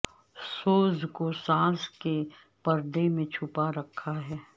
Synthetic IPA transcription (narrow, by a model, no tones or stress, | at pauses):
soːzkosãːske | pɐɾd̪emẽt͡ʃʰʊpaɾɐkʰːaɦɛː